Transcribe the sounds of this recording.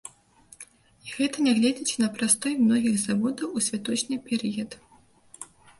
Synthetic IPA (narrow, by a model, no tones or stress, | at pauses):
iɣɛt̪ɐnʲɛɣlʲɛd͡zʲit͡sʲnɐpɾast̪ɔjmnɔɣʲiɣzavɔd̪ɐwusʲvʲat̪ɔt͡ʂnʲɨpʲɛɾɨjɐd̪